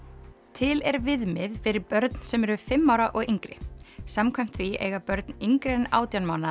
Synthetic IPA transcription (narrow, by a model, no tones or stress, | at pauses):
t̪ʰɪlɛɾvɪðmɪðfɪɾɪɾpœɾt̪n̥sɛmɛɾʏfɪmːawɾaʔɔɣiŋkɾɪ̰samkʰvajm̥t̪θviḛːjɣapœɾt̪niŋkɾejna̰ːwt̪jawnmawna